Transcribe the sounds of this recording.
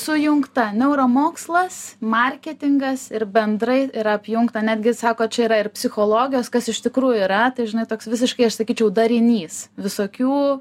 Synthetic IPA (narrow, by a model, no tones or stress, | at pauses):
sʊjʊŋkt̪ɐnʲɛʊɾoːmoːkslˠɐsmɐrʲkʲɛt̪ʲɪŋɡɐsɪɾbʲɛnd̪ɾɐɪɪɾɐpʲjʊŋkt̪ɐnʲæːd̪ʲɡʲɪsɑːkoːt͡ʃʲɛiɾɐɪrpʲsʲɪxoːlˠoːɡʲɪjoːskɐsɪʃt̪ʲɪkɾuːjʊiːɾɐt̪ɐɪʒʲɪnɐɪt̪oːksʋʲɪs̬ʲɪʃkɐɪɐʃsɐkʲiːt͡ʃʲɛʊd̪ɐɾʲɪnʲiːsʋʲɪsoːkʲuː